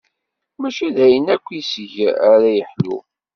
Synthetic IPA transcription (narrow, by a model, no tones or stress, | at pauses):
mæʃiðæjənækʷːisəʝæɾæjəħlṵ